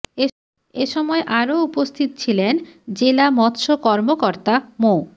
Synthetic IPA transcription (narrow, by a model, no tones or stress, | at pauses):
eʃɔmɔeʔaɾoupost̪ʰit̪ot͡ɕʰilend͡ʑelamɔt̪ːʃokɔɾmokoɾt̪amo